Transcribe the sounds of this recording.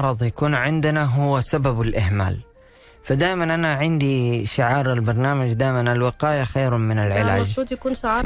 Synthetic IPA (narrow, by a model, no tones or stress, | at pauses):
ɑɾˤɑd̪ˤjakuːnʕɪnd̪ɪnaɦʊwːasababalʔɪhma̰ːl | fad̪aːjmanʔanaʕɪnd̪iʃɪʕɑːɾɪlbɑɾˤnaːmad͡ʒd̪aːjmanalwɪqaːjaxajɾmɪnalʕɪla̰ːd͡ʒːd̪jkuːnʃʕɑː